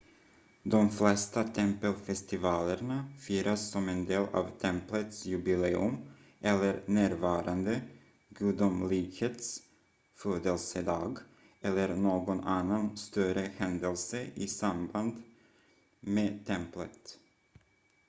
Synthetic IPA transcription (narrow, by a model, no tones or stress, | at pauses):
d̪ɔmflɛst̪at̪ʰɛmpəlfɛst̪ɪvɑːləɳafyːɾʔasːɔmɛnd̪eːlʔɑ̰ːvt̪ʰɛmplət̪sjʉbɪleːɵ̰m | ʔɛlːəɾnæːɾvɑːɾand̪ə | ɡʉːd̪umlikheːt̪s | føːd̪əlsəd̪ɑːɡ | ʔɛlːəɾnoːɡɔnanːanst̪œɾəhɛnd̪əlsəɪsamband̪ | meːt̪ʰɛmplə̰t̪